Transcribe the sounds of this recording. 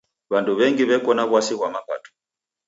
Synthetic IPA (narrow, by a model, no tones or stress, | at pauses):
βanduβɛŋɡiβɛkɔnaβwasiɣwamapa̰tɔ̥